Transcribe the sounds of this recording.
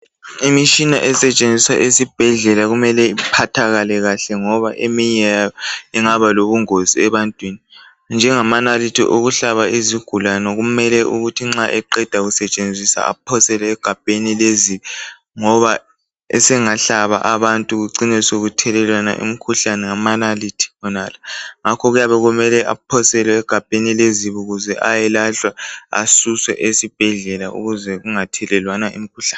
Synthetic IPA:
imit͡ʃʼina̰ʔɛsɛt͡ʃʼend͡zʱiswa̰ʔesib̥ʱɛɮɛlaɣumɛlɛipʰatʰaɣalɛɣaɬɛŋɔβaʔemiɲɛjaiŋaβaloβuŋoziɛβantʼwini | nd͡ʒʱɛŋamanalitʰḭʔoɣuɬaβaiziɡ̥ʱulanɔɣumɛlɛʔuɣutʰiŋ͡ǁaʔɛǃɛd̥ʱaɣusɛt͡ʃʼend͡zʱisa̰a̰pʰɔsɛlɛːɡ̥ʱab̥̚ʱenileziβɛ | ŋɔβa | ɛ̰sɛŋaɬaβa̰ʔaβantʼuɣuǀinɛsoɣutʰɛlɛlwana̰ʔḭmikʰuɬanɛŋamanalitʰi̥βɔnalaŋakʰɔɣujaβɛɣumɛlɛʔa̰pʰɔsɛlɛɛɡ̥ʱab̥ʱenileziβuɣuzɛʔajɛlaɬwaa̰suswɛ̰ʔesib̥ʱɛɮɛlaṵɣuzɛɣuŋatʰɛlɛlwanaʔḭmikʰuɬḁːn

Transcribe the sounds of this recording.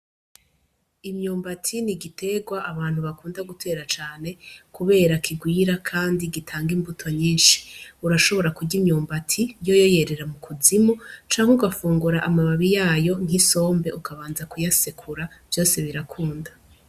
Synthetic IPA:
imɲuːmbatʰiniɡitʰe̞ɡwaʔaβaːn̥huβakuːndaɡutʰe̞ːɾat͡ʃaːne̞kuβe̞ːɾakʰiɡwiːɾakʰaːndiɡitʰaːŋɡimbutʰo̞ɲiːnʃi̥uɾaʃo̞βo̞ɾakuɟimɲuːmbatʰijo̞jo̞je̞ɾe̞ɾamukʰuzimut͡ʃaːŋ̥heuɡafuːŋɡuɾaʔamaβaβijaːjo̞ŋ̥hiso̞ːmbe̞ʔukaβaːnzakujasekʰuɾav̥jo̞ːse̞βiɾakʰuːnda

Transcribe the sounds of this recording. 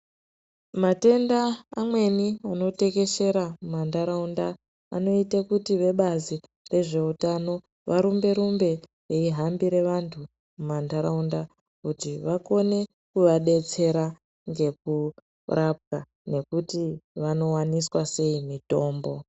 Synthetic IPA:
mate̞ndaːmwe̞niano̞te̞ke̞ʃe̞ɾamumandaɾaunda | a̰no̞itekutiʋe̞ɓazi | re̞ʐe̞utano̞ | ʋaɾumbe̞ɾumbe̞ | reiɦambiɾe̞ʋantʰu | mumandaɾaunda | kutiʋako̞ne̞ | kuʋaɗe̞t͡se̞ɾa | ŋɡe̞k̚u | rʔap̚ka | ne̞kutiʋano̞waniswase̞imito̞ːmbo̞

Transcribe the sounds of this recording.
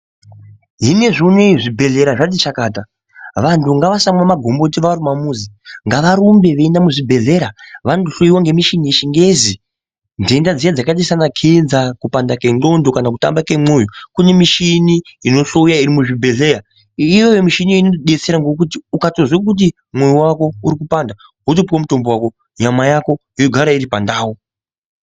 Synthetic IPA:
ɦine̞ʐineiʐibʱe̞ɮe̞ɾaʐat̬it͡ʃakaːta | ʋantʰuŋɡaʋasamwamaɡʱo̞mbo̞tiʋarumamuːziŋɡaʋaɾumbe̞ʋe̞ːndamuʐibʱe̞ɮe̞ɾaʋantuɬoiwaŋɡe̞miʃinieʃiŋɡe̞zi | ndendad͡zijad͡zakaɗisanakʰenzakupandake̞ndo̞ndo̞kanakuta̰mbake̞mojukune̞miʃiniino̞ɬoujaiɾimuʐibʱe̞ɮe̞ɾa | ijo̞jo̞miʃinijinoɗe̞t͡se̞ɾaŋɡo̞k̬utiukatozwek̬ut̬i | mwejuwako̞uɾikupanda | ɦutopiwamuto̞mbowako̞ | ɲamajako̞ | ijoɡʱaɾaiɾipandaːwo

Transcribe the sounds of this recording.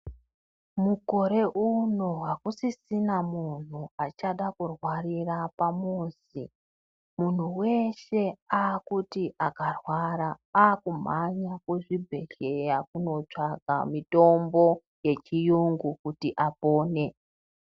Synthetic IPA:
muko̞ɾe̞ʔuno̞wakusisinamun̤uat͡ʃaɗakurwarirapamuːsi | mun̤uwe̞ʃe̞aːkutiʔakarwaɾaaːkum̤aɲakuʐibʱe̞ɮe̞jakuno̞t͡ʂaɡʱa̰mito̞mbo̞ | je̞t͡ʃijuŋɡukutiʔapo̞ːne̞

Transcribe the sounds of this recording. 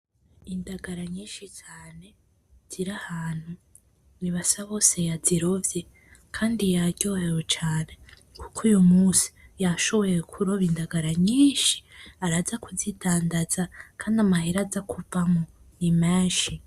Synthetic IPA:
indaɡaɾaɲiːnʃit͡ʃaːne̞ | z̥iɾahaːn̥hu | niβasaβo̞ːse̞jaziɾovje̞ | kʰaːndijaɾɟohewot͡ʃaːne̞ | kukʰujumuːsi̥jaʃo̞βo̞jekʰuɾo̞βindaɡaɾaɲiːʃi̥aɾazakuzitʰaːndazakʰaːndiamahiɾazakuvamo | nimeːnʃi

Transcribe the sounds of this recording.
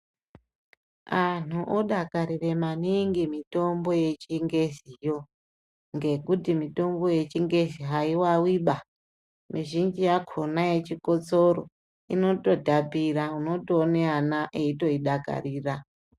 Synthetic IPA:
an̤uʔoɗakaɾire̞maniŋɡimito̞mbo̞je̞t͡ʃiŋɡe̞zijo̞ | ŋɡe̞kutimito̞mbo̞je̞t͡ʃiŋɡe̞ziɦaiwawiɓa | miʒind͡ʒijakʰonajet͡ʃiko̞t͡soro | ḭno̞to̞dʱapiɾauno̞toːneanaʔeito̞iɗaka̰riːra

